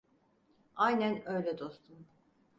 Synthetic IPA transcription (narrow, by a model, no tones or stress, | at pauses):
ajnʲænø̞jlʲɛd̪o̞st̪ʰum